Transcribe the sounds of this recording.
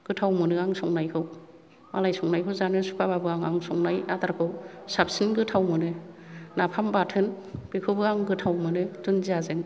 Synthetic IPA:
ɡ̥ɯtʰawmɯnɯaŋsɔŋnajkʰɯw | malajsɔŋnajkʰɯwzanɯsu̥pʰababɯaŋaŋsɔŋnajadaɾkʰɯw | sap̚sɯnɡɯtʰawmɯnɯ | napʰambatʰɯnb̥ikʰɯwbɯaŋɡɯtʰawmɯnɯtʰɯnziazɯŋ

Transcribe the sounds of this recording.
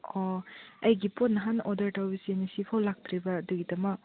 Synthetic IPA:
ɔɐjɡiponːɐɦanɔdɐɾtawbisienisipʰawlak̚tʰɾibɐːduɡidɐmɐk̚

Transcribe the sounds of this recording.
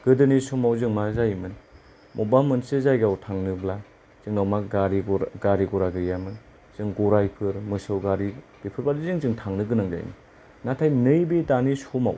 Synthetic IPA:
ɡ̥ɯdɯnisomawzɯŋmazajmɯn | mʔobamɯnsɯzajɡawtʰaŋnɯbla | z̥ɯŋnawmaɡaɾiɡɾɡaɾiɡɔɾaɡɯjamɯn | z̥ɯŋɡoɾajpʰɯɾmɯsɯwɡaɾi | b̥ipʰɯɾbadizɯŋzɯŋtʰaŋnɯɡɯnaŋza̰jmɯ̰n | natʰajnɯjbidanisoma̰w

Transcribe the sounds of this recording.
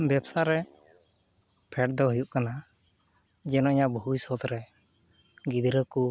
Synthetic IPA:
bɛbsaɾɛ | pʰɛʈd̪ɔɦujuʔkana | d͡ʒɛnɔiɲaʔbujsɔt̪ɾɛ | ɡid̪ɾəku

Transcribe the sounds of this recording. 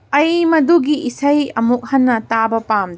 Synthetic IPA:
ɐjmɐduɡiʔisɐjɐmuk̚hɐnːɐtabɐpamd

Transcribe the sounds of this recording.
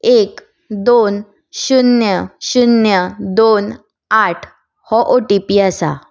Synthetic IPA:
ek | d̪on | ɕunjəɕunjəd̪on | aʈʰ | hɔʔoʈipiasa̰

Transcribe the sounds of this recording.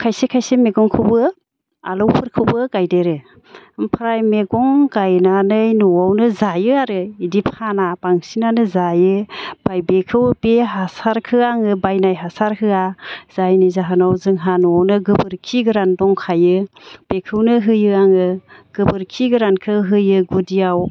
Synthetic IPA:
kʰajsekʰajsemeɡɔŋkʰɯbɯ | a̰lɔwpʰɯɾkʰɯwbɯɡajdeɾɯ | mpʰɾajmeɡɔŋɡajnanɯjnɔawnɯzajɯaɾɯidipʰanapaŋsinanɯzajɯb̥ajbekʰɯwbeɦasaɾkʰɯaŋɯbajnajɦasaɾhɯaz̥ajnɯjzaɦɯnawzɯŋɦanɔawnɯɡɯbɯɾkʰiɡɯɾandɔŋkʰajɯb̥ekʰɯwnɯɦɯjɯaŋɯɡ̥ɯbɯɾkʰiɡɯɾankʰɯɦɯjɯɡudiaw

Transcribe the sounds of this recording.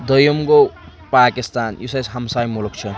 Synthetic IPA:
d̪ʌjomko | pakist̪anjusajsɦamsajmulok̚t͡ʃʰʌ

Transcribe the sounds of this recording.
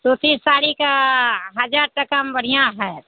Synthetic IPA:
t̪ot̪iːssaːɽikaɦəd͡ʒaːɾʈəkambəɾ̤ijãɦɛː

